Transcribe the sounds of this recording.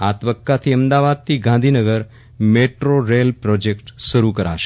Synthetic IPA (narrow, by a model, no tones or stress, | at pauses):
at̪əbəkːat̪ʰiəmd̪aʋad̪̚t̪ʰiɡãnd̪ʱinəɡəɾ | meʈɾoɾelpɾɔd͡ʒekʈʃəɾukəɾa̰ʃe̥